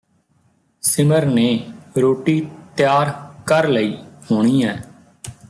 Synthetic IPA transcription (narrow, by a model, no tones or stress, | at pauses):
sɪməɾneːɾoːʈiːt̪ɪjaːɾkəɾləiːhoːɳ̃iːɛː